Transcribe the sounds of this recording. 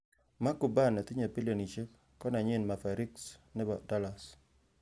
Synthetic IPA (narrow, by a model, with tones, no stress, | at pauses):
ma˦ku˨ba˦˨nɛ˨t̪ɪ˦ɲa˨pi˦lo˨ni˨t͡ʃe˦k | kɔ˦na˨ɲɪ˦˨nma˨fa˨ɾi˦ksnɛ˦ba˨da˦la˨s